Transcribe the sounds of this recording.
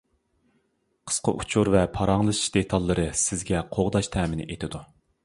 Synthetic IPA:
qʰə̥sqɑ̰ʔut͡ʃʰuɾvɛpʰɑɾɑŋlˠɨʃi̥ʃd̪et̪ʰɑlˠːɨɾɨsɪzɡʲɛqʰoʁd̪ɑʃt̪ʰɛːmɪnɪ̰ʔet̪ʰɪd̪u

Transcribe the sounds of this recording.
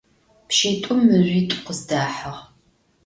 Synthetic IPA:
pʃiːtʷʼʊmːɨʑʷiːtʷʼqəzdaːħaʁ

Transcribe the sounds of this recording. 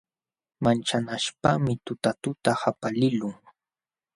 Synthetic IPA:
mant͡ʃanaʃpamɪt̪ʊt̪at̪ʊt̪ahapalɪlʊŋ

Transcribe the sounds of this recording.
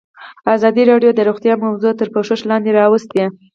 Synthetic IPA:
azɑd̪iɾɑɖjod̪əɾuɣt̪jɑmawzot̪əɾpoʂoʃlɑnd̪eɾɑwəst̪e

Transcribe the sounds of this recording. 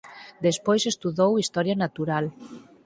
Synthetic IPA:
d̪espojsest̪uðowist̪ɔɾjanat̪uɾal

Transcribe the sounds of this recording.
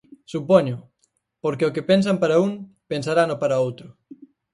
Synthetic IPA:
supoɲʊ | poɾkeʊkepens̬ampaɾauŋ | pensaɾanopaɾaowt̪ɾʊ

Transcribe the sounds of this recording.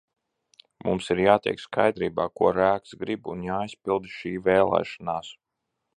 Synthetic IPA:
mumsiɾjaːt̪ʲɛ̰jkskajd̪ɾiːbaːkuɔɾæːksɡɾibunjaːisʲpilˠd̪ʃiːvɛːlˠɛ̰ːʃanaːs

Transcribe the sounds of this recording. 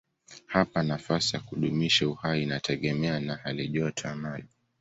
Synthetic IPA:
hapanafasijakuɗumiʃauhainatʰɛɠɛmɛanahaliʄɔtʰamali

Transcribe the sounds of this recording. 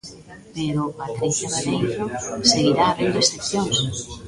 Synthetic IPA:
peɾʊpat̪ɾiθjaðeβeŋfoseɣiɾaːβend̪oesθekθjoŋs

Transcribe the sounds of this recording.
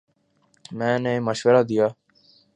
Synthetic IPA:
mɛ̃ːneməʃʋəɾaːd̪ɪjaː

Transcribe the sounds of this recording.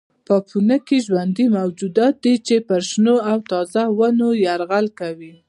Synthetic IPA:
pəpʰunəkeʒwand̪imawd͡ʒud̪ɑt̪̚d̪it͡ʃepəɾʃnoawt̪ɑzawanojaɾɣalkawi

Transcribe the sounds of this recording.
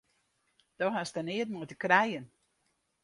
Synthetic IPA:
d̥ɔɦastanɪət̚mɔjtəkrɛjən

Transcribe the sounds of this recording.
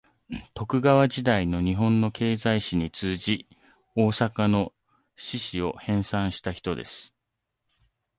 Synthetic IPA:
t̪o̞kɯ̟ɡaβad͡ʑid̪aino̞ɲ̟iɦõ̞nːo̞ke̞ːzaiɕiɲ̟it͡sɨːʑi | o̞ːsakano̞ | ɕiɕio̞hẽ̞ɰ̃sãɰ̃ɕi̥t̪açi̥t̪o̞d̪e̞̰sɨ̥

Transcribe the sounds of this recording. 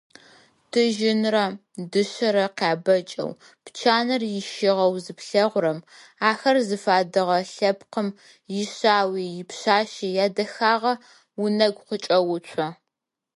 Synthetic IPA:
d̥ʰɨʒɪnrɐ | dɨɕɐɾɐqaːbɐt͡ʃʼɐ̰w | pt͡ʃʰaːnɐrjɪʃɪʁɐwzɨpɬɐʁʷʊɾɐm | aːxɐrzɨfaːdɨʁɐɬɐpqəm | jɪɕaːwiːjɪpɕaːʃijaːdɐxaːʁɐ | wʊnɐɡʷqʷət͡ʃʼɐwʊt͡ʃʷʰɐ

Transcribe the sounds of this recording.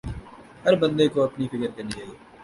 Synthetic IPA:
hɐɾbɐ̃nd̪ekoɐpnifɪkəɾk̪ɐnid͡ʒaːiː

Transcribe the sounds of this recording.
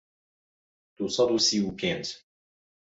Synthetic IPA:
t̪usˤɑd̪ˤusiukɛnt̪

